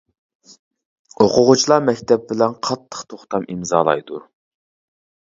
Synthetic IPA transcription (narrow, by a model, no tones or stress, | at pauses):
oqʰʊʁʊt͡ʃʰilˠɑmɛkʲt̪ʰɛp̚bɪlɛnqʰɑt̪ʰːə̥χt̪ʰoχt̪ɑmimzɑːlˠɑ̰jd̪u